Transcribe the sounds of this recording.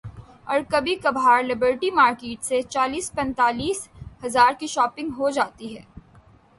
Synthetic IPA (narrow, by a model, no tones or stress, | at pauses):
ɔ̰ːɾkɐbʱikɐbʱaːɾlɪbəɾʈimaːɾkeːʈset͡ʃaːliːspɛ̃nt̪aːliːshɐzaːɾkiʃɔːpɪ̃ŋɡɦod͡ʒaːt̪iɦɛː